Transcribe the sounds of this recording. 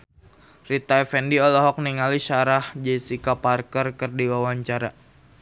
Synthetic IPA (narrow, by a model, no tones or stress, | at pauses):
rit̪aɛfɛndiɔlɔɦɔk̚niŋaliʃaɾahd͡ʒɛsikaparkərkɨrdiwawaɲt͡ʃaɾa̰